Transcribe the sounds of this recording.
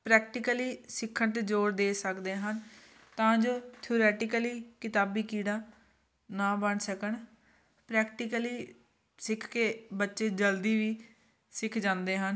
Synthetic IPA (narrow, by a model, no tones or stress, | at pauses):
pɾɛːk̚ʈɪkəliːsɪkʰːəɳt̪ed͡ʒoːɾd̪eːsəkd̪eːɦən | t̪ãːd͡ʒoːt̪ʰioːɾɛːʈɪkəliːkɪt̪aːbiːkiːɽaː | naːbəɳsəkəɳ | pɾɛːkʈɪkəliː | sɪkʰkeːbətːʃeːd͡ʒəld̪iːʋiː | sɪkʰd͡ʒãːnd̪eːɦən